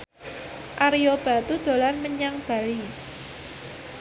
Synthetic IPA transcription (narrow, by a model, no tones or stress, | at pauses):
ʔaɾiob̥a̤t̪ud̪̥o̤lanməɲaŋb̥a̤li